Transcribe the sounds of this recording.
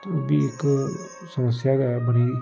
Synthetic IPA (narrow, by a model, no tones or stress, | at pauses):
t̪oːbiːɪk | səməsjaːkabəɽ̃iː